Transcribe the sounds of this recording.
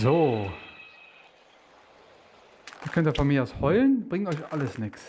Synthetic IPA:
zoː | ʔiːɐkʰœntiːɐfɔnmiːɐʔaʊshɔʏlənb̥ʁɪŋtɔʏçʔaləsnɪks

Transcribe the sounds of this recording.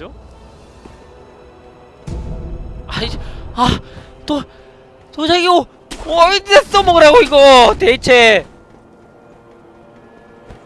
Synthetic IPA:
o | aia | to | tod͡ʑaɡio | ides͈omoɡɯɾaɡoiɡot̪eit͡ɕʰe

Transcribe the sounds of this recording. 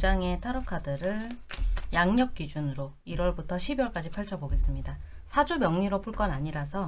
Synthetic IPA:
d͡ʑaŋe̞tʰaɾʌkʰadɯɾɯɭjaŋɲʌk̚k͈id͡ʑunɯɾo | iɾwʌɭbutʰʌɕʰibiwʌɭk͈ad͡ʑipʰjʌɭt͡ɕʰʌboɡe̞s͈ɯmɲida | sʰad͡ʑumjʌŋɲiɾop͈ʰuɭk͈ʌnaɲiɾasʰʌ

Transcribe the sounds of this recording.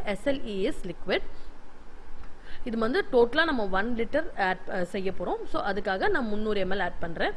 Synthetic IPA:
ʔɛsɛliːɛslɪkʋɪɖ | ɪðɯʋɐnd̪ɯʈoːʈːɐlaːnɐmːɐʋɐnlɪʈːɐɾaːɖsɛjːɐpːɔːɾõːsoːʔɐðɯkːaːɣɐnãːmʊnːuːɾɯɛmɛlaːʈ̚pɐɳːɾẽː

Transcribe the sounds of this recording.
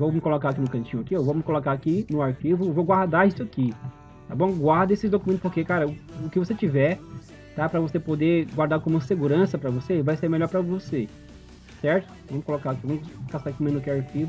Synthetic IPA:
vowmɪkolokaɾak̬inʊkɐ̃t͡ʃĩɲʊakiewvowmɪkolokaakinʊaɾfivʊwvowɡwaɾd̪aisʊaki | t̪abõw̃ɡwaɾd̪ɐesɪzd̪okumẽnt̪ʊ̥spoɾkekaɾɐʊʊkɪvoset͡ʃivɛ | t̪apɾɐvosepod̪eɡwaɾd̪aɾkõmʊseɡuɾɐ̃sɐpɾɐvosevajseɾmeʎɔɾpɾɐvose | sɛɾt̪ʊ̥vɐ̃mʊkolokakivɐ̃mʊkast̪akĩmẽnʊkeaɾfivʊ

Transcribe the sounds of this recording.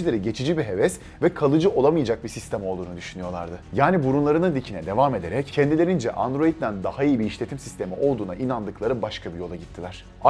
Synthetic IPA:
ilʲeɾiɟe̞t͡ʃʰid͡ʒibiɦe̞vɛs | vɛkʰalˠɯd͡ʒɯʔo̞lˠamɯjad͡ʒak̚bisist̪ʰemo̞lˠd̪uːnud̪yʃynyjo̞lˠa̰ɾd̪ɯjaːnibuɾunlˠaɾɯnɯnd̪icʰinɛd̪e̞vame̞d̪e̞ɾɛccʰːɛnd̪ilʲe̞ɾind͡ʒɛ̰ʔand̪ɾo̞it̪̚d̪ænd̪ahaijibiːʃlʲe̞t̪ʰimsist̪e̞miʔo̞lˠd̪uːnaʔinand̪ɯklˠaɾɯbaʃkʰabijo̞lˠaɟit̪ʰːilʲæɾ̝̥ | a

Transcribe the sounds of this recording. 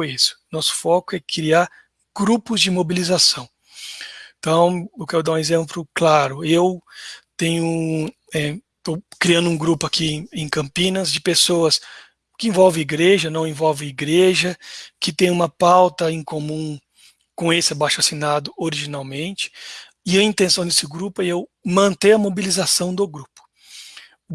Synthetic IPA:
isʊ̥nɔsʊ̥fɔkʊɛkɾiaɾ | ɡ̥ɾupʊzd͡ʒɪmobilizasɐ̃w̃ | t̪ɐ̃w̃ewkɛɾʊd̪aũezẽmplʊklaɾʊewt̪ẽɲʊ | ɛ | t̪owkɾiɐ̃nd̪ʊũɡɾupʊakĩẽj̃kɐ̃mpĩnɐzd͡ʒɪpesoɐs | kɪẽvɔwvẽiɡɾeʒɐnɐ̃w̃ẽvɔwvẽiɡɾeʒɐkɪt̪ẽj̃ũmɐpawt̪ɐẽkomũ | kõesɪabajʃasinad̪ʊoɾiʒinawmẽnt͡ʃɪ̥ | ɪɐĩnt̪ẽsɐ̃w̃d̪esɪɡɾupʊɛewmɐ̃nt̪ẽj̃ɐmobilizasɐ̃w̃d̪ʊɡɾupʊ̥

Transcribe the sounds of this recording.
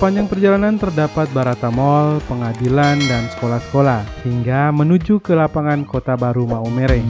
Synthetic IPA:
paɲd͡ʒaŋpərd͡ʒalanant̪ərdapat̪̚baɾat̪amɔlpəŋadilandansə̥kolahsə̥kolahhiŋɡamənud͡ʒukəlapaŋankot̪abaɾumaumeɾɛ

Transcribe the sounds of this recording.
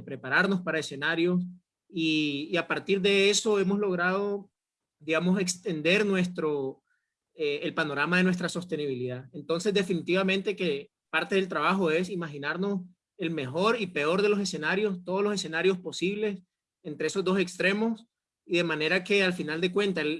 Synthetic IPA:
pɾe̞paɾaɾno̞spaɾae̞se̞naɾjo̞s | iːapaɾt̪iɾd̪e̞eso̞e̞mo̞zlo̞ɣɾað̞o̞ | ðiɣamo̞se̞kst̪e̞nd̪e̞ɾnwe̞st̪ɾo | eelpanoɾamaðe̞nwe̞s̬t̪ɾaso̞st̪e̞niβiliðaent̪o̞nse̞zd̪e̞finit̪iβamẽnt̪e̞ke | paɾt̪e̞ð̞e̞lt̪ɾaβaxo̞e̞simaxinaɾno̞s | e̞lme̞xo̞ɾipe̞o̞ɾðe̞lo̞s̬e̞se̞naɾjo̞st̪oð̞olo̞se̞se̞naɾjo̞spo̞siβle̞s | ent̪ɾeeso̞zd̪o̞se̞kst̪ɾe̞mo̞s | iðe̞mãne̞ɾake̞alfinald̪e̞kwe̞nt̪al

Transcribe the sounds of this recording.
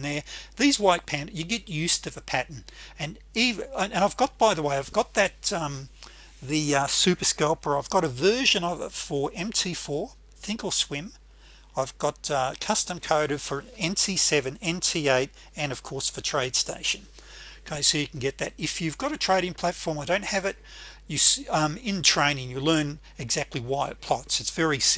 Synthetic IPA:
nðə˞ðizwaɪt̚pʰæ̃njɨɡɛt̚jʉztʌvɨpʰæʔn̩ɨ̃n | ivaɪvɡɑt̚b̥aɪðəweɪaɪvɡɑt̪̚ðɨt̚ʌ̃m | ðɨʌsʉpə˞skoʊpə˞aɪvɡɑɾɨvɜ˞ʒɨ̃nʌvɪ̰tfə˞ɛ̃mtʰifɔɹ | θɪ̃ŋkl̩ˠswɪ̃m | aɪvɡɑt̚ʌkʰʌstɨ̃mkʰoʊɾɨv̥fə˞ɛ̃ntʰisɛvɨ̃nɛ̃ntʰieɪɾ | ɨ̃nʌv̥kʰɔɹsfə˞tʰɹ̥eɪd̥steɪʃɨ̃n | kʰeɪsɨʊjɨkʰn̩ɡɛt̪̚ðɨɾɨfjʉvɡɑɾɨtʰɹ̥eɪɾɪ̃ŋpʰl̥ætfɔɹmaɪdõʊ̃nt̚hɨvɨt̚ | jɨsʌ̃mɪ̃ntʰɹ̥ẽɪ̃ñɪ̃ŋjɨlɜ̃˞n | ɨɡzæk̚tˡliwaɪɨ̰t̚pʰl̥ɑtsɨtsv̥ɛɹis

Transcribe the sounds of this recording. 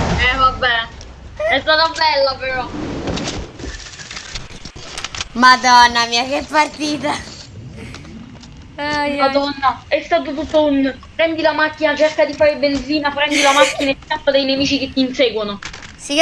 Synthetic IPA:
ɛvabːɛ | ɛst̪aːt̪obɛlːapeɾɔ | mad̪ɔnːamiːakɛpːart̪iːt̪a | aad̪ɔnːaɛst̪aːt̪̬ot̪̬ut̪ːaun | pɾɛnd̪ilamakːinat͡ʃerkad̪ifaːɾebend̪ziːnapɾɛnd̪ilamakːinaelk̪ːapːad̪ejnemiːt͡ʃiket̪ːinseːɡwonosi

